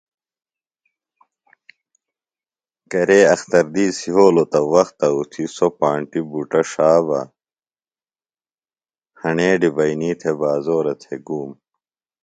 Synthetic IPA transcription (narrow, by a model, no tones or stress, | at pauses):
kɐɾeːɐxt̪ɐɾd̪iːsiɦoːlot̪ɐwɐxt̪ɐut̪ʰisopaːɳʈibuʈɐʂaːbɐ̰ | hɐɳeːɖibɐiniːt̪ʰebaːzoːɾɐt̪ʰeɡuːm